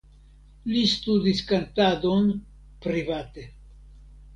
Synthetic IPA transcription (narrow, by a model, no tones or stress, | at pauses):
list̪ud̪iskant̪ado̞n | pɾivat̪e̞